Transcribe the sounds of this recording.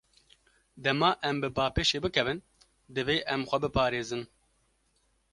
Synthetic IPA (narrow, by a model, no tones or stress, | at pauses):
d̪ɛmɑːʔɛmbɨbaːpeːʃeːbɨkʰɛvɨn | d̪ɨveːʔɛmxʷɛbɨpʰɑːɾeːzɨn